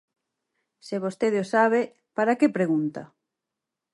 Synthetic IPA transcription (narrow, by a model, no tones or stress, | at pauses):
sɪβ̞ost̪eðeosaβe | paɾakepɾeɣ̞unt̪ɐ̰